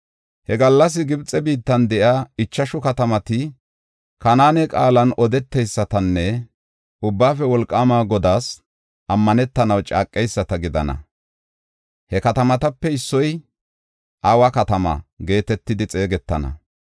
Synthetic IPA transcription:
hɛɡɐlːɐs̬ɪɡɪbt͡sʼːɛbiːt̪ːɐnd̪ɛʔaːɪt͡ʃːɐʃʊkɐt̪ɐmɐt̪ɪ | kɐnaːnɛkʼaːlɐnɔd̪ɛt̪ːɛjsːɐt̪ɐnːɛ | ʊbːaːfɛwɔlkʼːaːmaːɡɔd̪aːs | ʔɐmːɐnɛt̪ːɐnɐwt͡ʃʼa̰ːkʼːɛjsːɐt̪ɐɡɪd̪ɐ̰nɐ̰ | hɛkɐt̪ɐmɐt̪ɐpːɛɪsːɔj | ʔawɐkɐt̪ɐmɐ̰ɡe̞ːt̪ɛt̪ːɪd̪ɪt͡sʼe̞ːɡɛt̪ːɐ̰nɐ̰

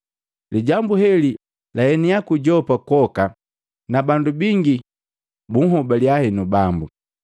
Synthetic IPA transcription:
liɟambuhɛli | lahɛniakuɟɔpakɔka | nabandubiŋɡi | buŋɦɔbaljahɛnubambu

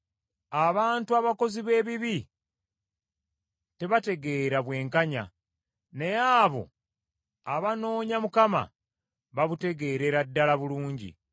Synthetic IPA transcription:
aβaːntuaβako̞ziβe̞ːβiβi | te̞βate̞ɡe̞ːɾaβwe̞ːŋkaɲa̰ | ne̞jaːβo̞̰ | aβano̞ːɲamukama̰ | βaβute̞ɡe̞ɾe̞ɾadːalaβuluːɲɟḭ

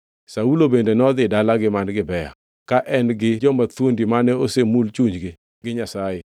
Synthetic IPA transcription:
saulobendenɔd̪ɪdalaɡɪmanɡɪbɛja̰ | kaʔɛnɡɪd͡ʒɔmat̪wondimanɛosemult͡ʃuɲd͡ʒɡɪ | ɡɪɲasaje

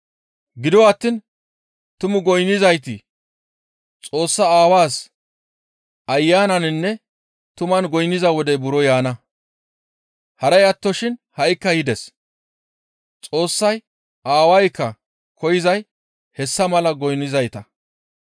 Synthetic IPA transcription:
ɡɪd̪ɔwaːt̪ːin | t̪ʊmʊɡɔjnːɪzɐjt̪ɪ | t͡sʼo̞ːsːɐaːwaːs | ɐjːaːnɐnɪnːɛ | t̪ʊmɐnɡɔjnːɪzɐwɔd̪ɛbʊɾɔjaːnɐ | hɐɾɐjɐt̪ːɔʃɪnhɐjkːɐjɪd̪ɛs | t͡sʼo̞ːsːɐj | ʔaːwɐjkːɐ | kʰɔjɪzɐj | hɛsːɐmɐlɐɡɔjnːɪzɐjt̪ɐ

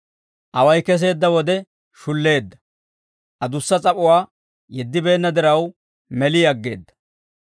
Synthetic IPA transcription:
ʔɐwɐjkɛs̬e̞ːd̪ːɐwɔd̪ɛ | ʃʊlːe̞ːd̪ːɐ̥ | ʔɐd̪ʊsːɐt͡sʼɐpʼʊwaː | jɛd̪ːɪbe̞ːnːɐd̪ɪɾɐw | mɛlɪjɐɡːe̞̰ːd̪ːɐ̥

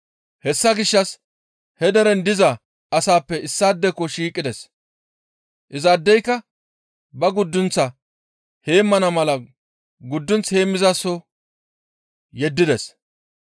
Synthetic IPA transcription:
hɛsːɐɡɪʃːɐs | hɛd̪ɐɾɛnd̪ɪzɐ | ɐsaːpːɛɪsːaːd̪ːɛkːɔʃiːkʼːɪd̪ɛs | ʔɪzaːd̪ːɛjkːɐ | bɐɡʊd̪ːʊnt͡sːɐ | he̞ːmːɐnɐmɐlɐ | ɡʊd̪ːʊnt͡she̞ːmːɪzasːɔ | jɛd̪ːɪd̪ɛs

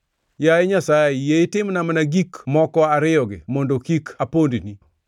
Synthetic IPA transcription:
jajeɲasaɪjeɪtɪmnamanaɡikmɔkɔaɾɪɔɡɪ̰mɔndokikapondini

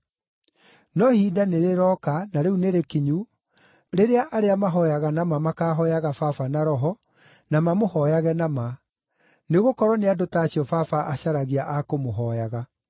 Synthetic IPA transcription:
nɔhidaneɾeɾɔkanaɾeuneɾekiɲu | ɾeɾeaʔaɾeamaɦɔjaɣanamamakaːɦɔjaɣafafanaɾɔɦɔ | namamohɔjaɣɛnama | neɣokɔɾɔneadotaːɕiɔfafaʔaɕaɾaɣiaʔakomoɦɔjaɣa

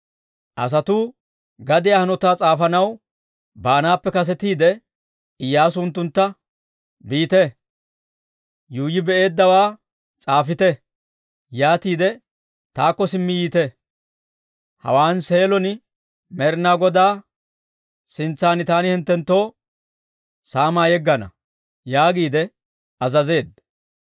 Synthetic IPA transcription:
ʔɐ̰s̬ɐt̪uː | ɡɐd̪ɪjaːhɐnɔt̪aːt͡sʼaːfɐnɐw | baːnaːpːɛkɐs̬ɛt̪iːd̪ɛ | ɪjːaːsʊʊnt̪ːʊnt̪ːɐ | biːt̪ɛ | juːjɪbɛʔe̞ːd̪ːɐwaː | t͡sʼaːfɪt̪ɛ | jaːt̪iːd̪ɛ | t̪aːkːɔsɪmːɪjiːt̪ɛ | hɐ̰waːnse̞ːlɔn | mɛɾnaːɡɔd̪aː | sɪnt͡sːaːnɪt̪aːnɪhɪnt̪ːɛnt̪ːo̞ː | saːmaːjɛɡːɐnɐ̰ | jaːɡiːd̪ɛ | ɐzɐze̞ːd̪̚

